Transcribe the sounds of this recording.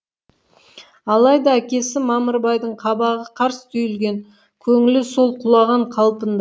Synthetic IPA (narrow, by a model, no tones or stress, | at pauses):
ɑlˠɑjd̪ɑækʲe̞sɪmɑməɾbɑjd̪əɴqʰɑbɑʁəqʰɑɾsə̥t̪ʰɵjɪlɡʲe̞ŋ | kʲʰɵŋɪlɪsolˠqʰʊlˠɑʁɑɴqʰɑlˠpənd̪